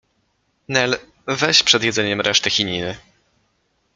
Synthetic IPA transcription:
nɛl | vɛɕpʂɛd̪jɛd̪zɛɲɛmɾɛʂt̪ɘxʲiɲinɘ

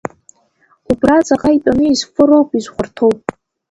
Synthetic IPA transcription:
ubrat͡sʼaqʼaitʼanɨizfʼɨɾowpʼizʷχʷartʰowpʼ

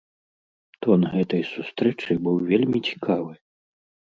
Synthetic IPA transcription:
t̪ɔnɣɛt̪ɐjsust̪ɾɛt͡ʂɨbɨwvʲelʲmʲit͡sʲi̥kʰavɨ

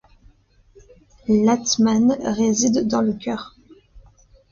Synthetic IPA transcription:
lat̪manʁezid̪ːɑ̃ləkʰʲœːʁ

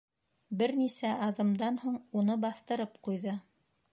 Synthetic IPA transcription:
bɘɾnisæʔɑðɤ̆md̪ɑnhuɴunɤbɑθt̪ɤ̆ɾɤpqujðɤ

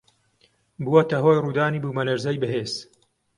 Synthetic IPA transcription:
buwɐt̪ɐɦoːjruːd̪aːniːbuːmɐlɐɾzɐjbɨɦeːz̥

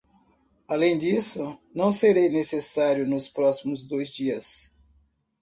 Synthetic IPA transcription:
alẽj̃d͡ʒisʊnɐ̃w̃seɾejnesesaɾjʊnʊspɾɔsimʊzd̪ojzd͡ʒiɐs

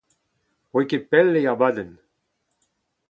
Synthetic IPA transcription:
wekepɛlːeaʁbaːd̪ən

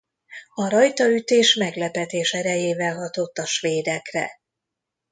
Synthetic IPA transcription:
ɒɾɒjt̪ɒyt̪eːʃmɛɡlɛpɛt̪eːʃɛɾɛjeːvɛlɦɒt̪o̞t̪ːɒʃʋeːd̪ɛkrɛ̰

